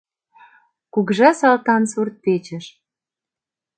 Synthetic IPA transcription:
kuɣʒɑsɑlt̪ɑnsurt̪̚pet͡ɕə̆ʃ

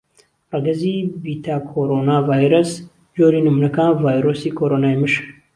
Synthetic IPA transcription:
rɐɡɐziːbit̪ʰaːkʰoɾonaːvaːjɾɐs | d͡ʒoːɾiːnɨmunɐkaːnvaːjɾosiːkʰoɾoːnaːjmɨʃk

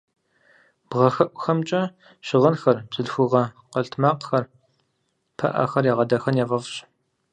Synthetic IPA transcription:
b̥ʁɐxɐʔʷʊxɐmt͡ʃʼɐ | ɕɪʁɐnxɐrbzɨɮxʷʊʁɐqəɬtʰmaːqxɐr | pʰɐ̰ʔɐ̰xɐrjeʁɐdɐxɐnjɛʁɐvɕ

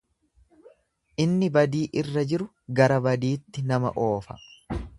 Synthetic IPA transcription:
ʔɪnːɪbɐd̪iːʔɪrːɐd͡ʒɪɾʊ | ɡɐɾɐbɐd̪iːt̪ːɪnɐmɐ̰ʔo̞ːfɐ̥

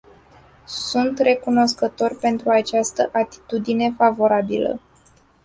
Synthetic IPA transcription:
sunt̪re̞kuno̞skət̪o̞rʲpe̞nt̪ɾuat͡ʃast̪əʔat̪i̥t̪ud̪ine̞favo̞ɾabilə̰

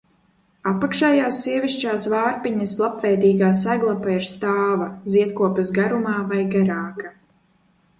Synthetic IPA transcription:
apakʃɛjaːsːiɛviʃt͡ʃaːsvaːɾpiɲɐslˠapvɛjd̪iːɡaːsæɡlˠapaiɾst̪aːvaziɛt̪kuɔpasɡaɾumaːvajɡaɾaːka

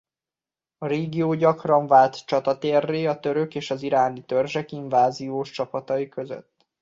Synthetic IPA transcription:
ɒɾeːɡijoːɟɒkrɒɱvaːlt̪t͡ʃɒt̪ɒt̪eːrːeːɒt̪ø̞ɾø̞keːʃɒziɾaːnit̪ørʒɛkiɱvaːzijoːʃt͡ʃɒpɒt̪ɒjikø̞zø̰t̪ː

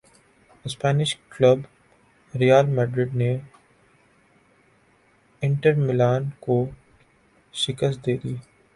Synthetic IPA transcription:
ɪspɛːnɪʃkləb | ɾijaːlmɛːɖɾɪɖne | ɪ̃ɳʈəɾmɪlaːnko | ʃɪkəst̪d̪eːd̪iː

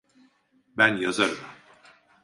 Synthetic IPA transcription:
bænjazaɾɯm

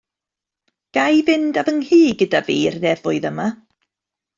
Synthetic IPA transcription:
ɡ̥ajvɪndavəŋhiːɡədaviːrnɛvʊɨðəma

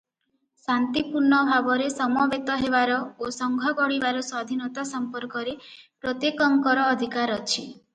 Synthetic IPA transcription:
sant̪ipuɾɳɔbʱabɔɾesɔmɔbet̪ɔɦeβaɾɔosɔŋɡʱɔɡɔɽibaɾɔswad̪ʱinɔt̪asɔmpɔɾkɔɾepɾot̪ekɔŋkɔɾɔːd̪ʱikaɾɔt͡ʃʰi

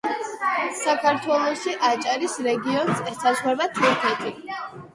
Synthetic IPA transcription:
sakʰaɾt̪ʰwɛlˠɔʃiʔat͡ʃʼaɾisɾɛɡiɔnsɛsasχɛbat̪ʰuɾkʰɛt̪ʰi

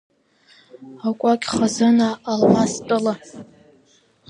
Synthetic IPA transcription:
akʷʼakʲʼχazɨnaːlmastʼɨla

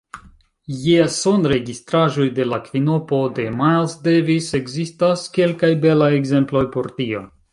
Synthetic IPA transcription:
jeso̞nɾe̞ɡistɾaʒo̞jde̞lakvino̞po̞de̞majlsdevise̞ɡzistaske̞lkajbe̞laje̞ɡze̞mplo̞jpo̞ɾtio̞̰

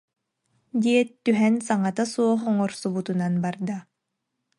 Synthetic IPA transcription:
d̪ʲiɛt̪ːyɦɛnsaŋat̪asuɔχɔŋɔɾsubut̪unanbaɾd̪a

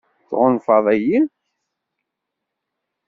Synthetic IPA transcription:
θʁʊnfɑðˤæjin

